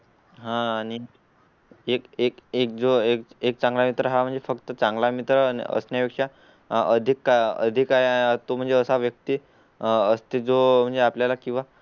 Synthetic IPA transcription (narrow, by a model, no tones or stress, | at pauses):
ɦãːñi | ekekek̚d͡zoekek̚t͡sãŋɡlamit̪ɾəɦam̤əɳnd͡zefəkt̪ət͡sãŋɡlamit̪ɾə̰ə̰snjapikʂa | əd̪ʱikːaə̰d̪ʱikaɦeat̪om̤əɳd͡zeəsaʋjək̚t̪i | əst̪ed͡zom̤əɳd͡zeapljalakĩʋa